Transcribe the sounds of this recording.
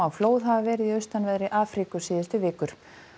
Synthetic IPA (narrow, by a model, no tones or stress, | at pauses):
awfloːwðɦavavɛːɾɪðiœɥst̪anvɛðɾɪʔaːfɾikʏsiːðɪst̪ʏvɪːkʏɾ̥